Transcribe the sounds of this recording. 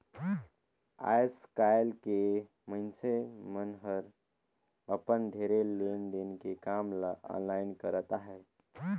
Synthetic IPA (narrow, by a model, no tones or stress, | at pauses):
a̰jskajlke | məɦnsemənɦəɾ | əpənɖʱeɾelenɖenkekamlaa̰nlaɪnkəɾət̪aɦɛː